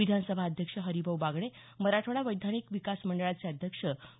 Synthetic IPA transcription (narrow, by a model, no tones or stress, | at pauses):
id̪ʱansəbʱaəd̪ʱjəkʂəɦəɾibəʋbaɡɽ̃e | məɾaʈʰoɽaʋəjd̪ʱanikʋikasməɳɖəɭat͡seəd̪ʱjəkʂə